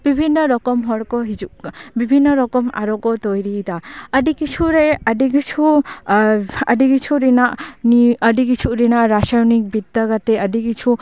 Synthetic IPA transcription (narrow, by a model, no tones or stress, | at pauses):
b̥ibʱinːɔɾɔkɔmɦɔɽkɔɦid͡ʒuʔkbibʱinːɔɾɔkɔma̰ɾɔkɔt̪ɔjɾit̪aəɖikit͡ʃʰuɾɛəɖikit͡ʃʰu | ə̰ɖikit͡ʃʰuɾinaʔniəɖikit͡ʃʰuɾinaʔɾasajɔnik̚bid̪ːakat̪ɛəɖikit͡ʃʰu